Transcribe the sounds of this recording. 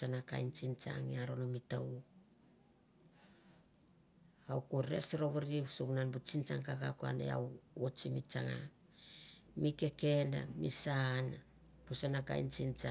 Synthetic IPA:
anaka̰jnt͡ʃint͡ʃa̰ŋiaɾo̞nomitaw | awkuɾesɾoβaɾisoɡunanbut͡ʃint͡ʃaŋkakakoa̰nḛja̰wot͡ʃimit͡ʃaŋa̰ | mike̞ke̞nda̰misan | pusanaka̰jnt͡ʃint͡ʃa

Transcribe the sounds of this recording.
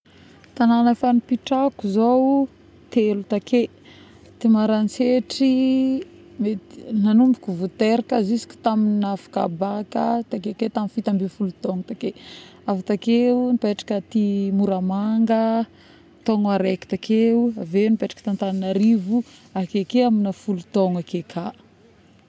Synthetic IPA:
t̪ananafanipiʈ͡ʂakuzow | t̪elut̪akʰe | t̪imaɾant͡seʈ͡ʂi | menanumbukuvut̪eɾakəzisi̥kʲu̥t̪aminafḁka̰bakət̪akeket̪amifit̪ambifulut̪oŋut̪akeavat̪akeunipeʈ͡ʂḁkət̪imuɾamaŋɡə | t̪oŋaɾeki̥t̪akʰeuavenipeʈ͡ʂḁkə̥t̪ant̪aninaɾivuakekeaminəfulut̪oŋakekʰa

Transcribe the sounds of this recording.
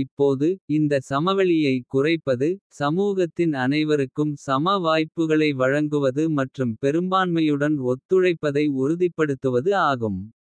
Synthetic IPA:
ɪpːoːðɯɪnd̪ɐsɐmɐʋɐɭɪjɐɪkʊrɐɪpːɐðɯsɐmuːɣɐt̪ːɪnɐnɐɪʋɐɾɯkːɯmsɐmɐʋaːjpːɯɣɐɭɐɪʋɐɻɐŋɡɯʋɐðɯmɐʈrɯmpɛɾɯmbaːnmɐjɯɽɐnɔt̪ːɯɻɐɪpːɐðɐɪʊɾʊðɪpːɐɽɯt̪ːɯʋɐðɯaːɣɯm

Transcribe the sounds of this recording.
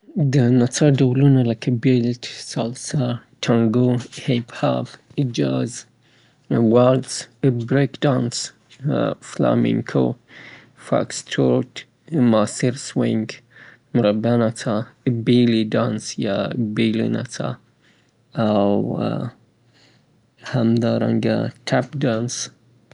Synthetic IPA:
d̪ənat͡sʰadowlunalakʰɐbeltsalsatʰaŋɡohebha̰bəd͡ʒaz | walsbɾekdans | fla̰mḭŋkʰo̰ | fa̰kstʰot | masiɾsweŋɡ | mɾabanatʰabilidansjabilḭna̰tʰa̰ | awa̰ | hamd̪aɾa̰ŋɡa̰tʰap̚dans

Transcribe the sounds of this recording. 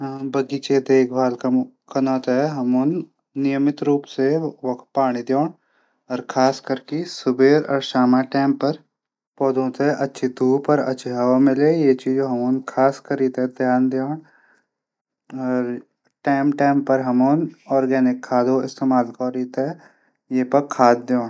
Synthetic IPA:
bɐɡiːt͡ʃed̪eːkʰbʱaːlk | kɐnaːt̪ɦɛɦɐmoːnː | ɪjəmɪt̪ɾuːpseʋɐkt̪̚paːɽ̃id̪joːɳ | ɔːɾkʰaːskəɾkisʊbʱeːɾɔ̰ːɾʃaːmaʈɛːmpɐɾ | pɔːd̪ʱõt̪eʔɐtːʃʰit̪uːpəɾɐ̰tːʃʰiɦɐʋamɪlejet͡ʃiːd͡ʒoɦɐmoːnkʰaːskɐɾiːt̪ɦɛd̪ʱjaːnd̪joːɳ | ɔːɾ | ʈɛːmʈɛ̃ːmpɐɾɦɐmoːnɔːɾɡɛːnɪkʰːaːd̪ʱoɪst̪eːmaːlkɔːɾiːt̪ɛ | jeːpɐɾkʰaːd̪̚d̪joːɳ

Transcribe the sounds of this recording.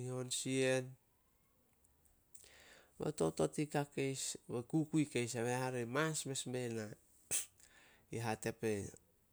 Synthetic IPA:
io̞nsie̞n | βḛto̞̰to̞tikake̞jsβekukujkejsaβehaɾemasme̞sme̞na | iɦate̞pe̞

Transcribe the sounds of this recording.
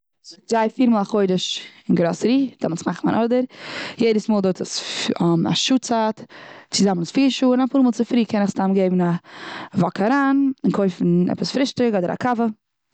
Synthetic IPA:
zʊɡ̚zaɪfiːɾmɔːlˠaχoɪdəʃɪnɡɾoːsɾiːd̥ɔmlˠtmaχnmanʔɔdəɾjeɪdəsmoːlˠdotəs | a̰ʃuːt͡saːtt͡sɪzamənsfiːɾʃuːnafuːɾmɔlˠt͡sɪfɾiːkɛnɪχstamɡeɪbn̩avɔkʰaɾaːnɪnkʰoɪfn̩ɛ̰pəsfɾɪʃtɪkɔdəɾa̰kʰavə

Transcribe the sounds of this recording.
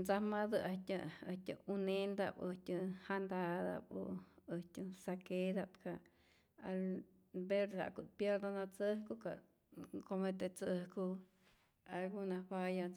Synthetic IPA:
nd͡zamad̪ɨʔat̪ʲəəht̪ʲə̰unend̪a̰bətʲəhand̪ad̪a̰bo̰əhtʲɨsaked̪apkʰa | al | beɾha̰kupjeɾd̪anat͡səhkuka̰ | komet̪et͡səhku | alɡunapaja

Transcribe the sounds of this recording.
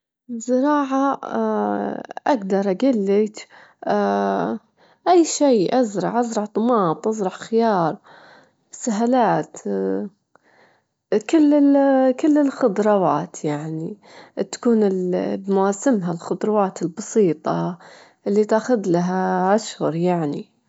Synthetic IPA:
zɪɾˤɑːʕa | ʔaɡd̪ɑɾˤʔaɡɪlːɪt̪ | ʔajːʃiːʔazɾˤɑ̰ʕʔazɾˤɑʕt̪ˤːʊmɑːt̪ˤʔɑzɾˤɑʕxɪjɑːɾˤ | saɦalaːt̪ | kɪlːɪkɪlːɪlxʊd̪ˤɾˤɑwaːt̪jaʕni | t̪ḁkuːnɪlbmʊwaːsɪmɦalxʊd̪ˤɾˤɑwaːt̪ɪlbɑsˤiːt̪ˤɑ | ʔɪlːit̪aːxʊðlaɦaʔaʃhʊɾˤjaʕnḭ

